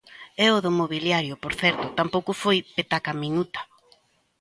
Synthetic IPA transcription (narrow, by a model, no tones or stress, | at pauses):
ɛoðomoβiljaɾjopoɾθɛɾt̪ʊt̪ampowkʊfojpet̪akaminut̪ḁ